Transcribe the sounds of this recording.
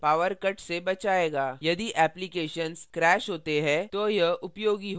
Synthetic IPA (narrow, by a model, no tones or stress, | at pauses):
paːʋəɾkɐʈsebɐt͡ʃaːeːɡaːjɐd̪iʔɛːplɪkeːʃənzkɾɛːʃɦoːt̪eɦɛ̃t̪ojɐɦʊpjoːɡiɦo